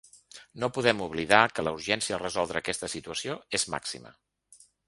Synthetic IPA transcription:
nopuðɛmuβliðakələuɾʒɛnsiərəzɔlˠd̪ɾəːkɛst̪əsit̪uəsioezma̰ksḭmə̰

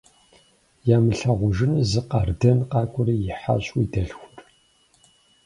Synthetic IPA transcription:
jaːmɨɬɐʁʷʊʒɨnɨzɨqɐrdɐnqɑːkʷʼʊɾijɪħa̰ɕʼwidɐɬxʷʊr

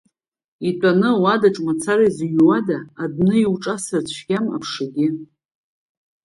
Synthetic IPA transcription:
itʷʼanɨwadaʈ͡ʂʼmat͡sʰaɾajzjwadaːdnɨiwʈ͡ʂʼasɨrt͡ɕʷʰɡʲama̰pʰʂaɡʲɪ

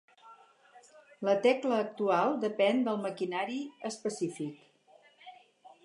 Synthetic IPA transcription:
lət̪ɛkləːk̚t̪ualˠd̪əpɛnd̪əlˠməkinaɾiəspəsifik

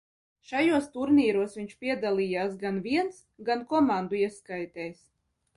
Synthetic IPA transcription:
ʃajuɔst̪uɾniːɾuɔsvʲiɲʲʃpʲiɛd̪alˠʲiːjaːsɡanvʲiɛns | ɡankɔmand̪uiɛskajt̪ɛːs

